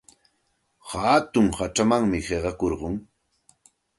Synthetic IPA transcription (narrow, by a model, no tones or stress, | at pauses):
haːt̪ʊŋhat͡ʃamaŋmɪɢeɢɑkoɾɢʊŋ